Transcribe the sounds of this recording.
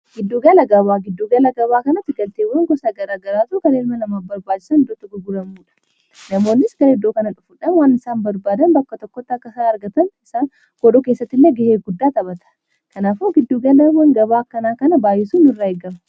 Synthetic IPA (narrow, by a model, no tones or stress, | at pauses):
ɡ̥ɪd̪ːuːɡɐlɐɡɐbaːɡɪd̪ːuɡɐlɐɡɐβaːkɐnɐt̪ːɪɡɐlt̪eːwɐŋɡɔsaɡɐɾaːɡɐɾaːt̪ʊkɐneːlmɐlɐmaːfbɐɾbaːd͡ʒɪ̥sɐnd̪ʊt̪ːɪɡʊɡʊɾɐmuːᶑɐ̥ | nɐmo̞ːnːɪsɡɐɾɛd̪ːoːkɐnɐᶑʊfʊᶑɐnwanːɪsaːmbɐɾbaːd̪ɐnbɐkːɐt̪ɔkːɔt̪ːɐkːɐsaɐɾɡɐt̪ɐnɪsaːŋ | kɔᶑɔːkeːsːɐt̪ːɪnːɛɡɛheːɡʊd̪ːaːt̪ɐbɐt̪ɐ̥ | kɐnaːfoɡɪd̪ːuːɡɐlɐwɐŋɡɐbaːkːɐnaːkɐnɐbaːjɛsuːnɪrːaːɛɡɐmɐ